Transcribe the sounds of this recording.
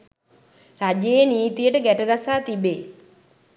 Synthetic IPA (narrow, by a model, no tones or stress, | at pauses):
rad͡ʒeːniːt̪ijəʈəɡæʈəɡasaːt̪ibe